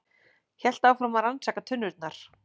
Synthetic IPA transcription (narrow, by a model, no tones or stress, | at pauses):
çɛl̥t̪awfɾamaɾansaːkat̪ʰʏnvʏlt̪̚naɾ̥